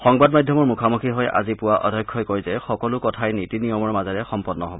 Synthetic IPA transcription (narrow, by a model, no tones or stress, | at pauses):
xɔŋbadmajdʱjɔmɔɹmukʰamukʰiɦɔjʔa̰zipʊwaʔɔ̰dʱɔjkʰːɔjkojzɛxɔkɔlʊkɔtʰajnitinijɔmɔɹmazaɹɛxɔmpɔnːɔɦɔbɔ